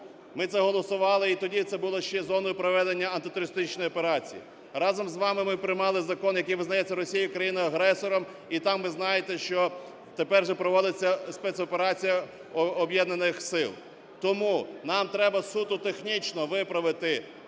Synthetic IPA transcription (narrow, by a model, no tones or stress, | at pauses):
mɪt̪sɛɦɔlˠɔsʊʋɑlˠɪit̪ɔdʲit̪sɛbʊlˠɔʃt͡ʃɛzɔnɔjʊpɾɔʋɛd̪enʲːɐɐnt̪ɪt̪ʊɾʲɪst̪ɪt͡ʃnɔjɔpeɾɑt͡sʲḭjḭ | ɾɑzɔmzʋɑmɪmɪpɾɪjmɑlˠɪzɐkɔnjɐkijʋɪznɐjɛt͡sʲːɐɾɔsʲijiukɾɐjinʊɐɦɾɛsɔɾɔm | it̪ɑmʋɪznɑjet̪ɛʃt͡ʃɔ | t̪epɛrʒɛpɾɔʋɔd̪ɪt͡sʲːɐspɛt̪sɔpeɾɑt͡sʲijɐː | bjɛd̪nenɪxsɪlˠ | t̪ɔmunɑmt̪ɾɛbɐsut̪ʊt̪exnʲit͡ʃnɔʋɪpɾɐʋɪt̪ɪ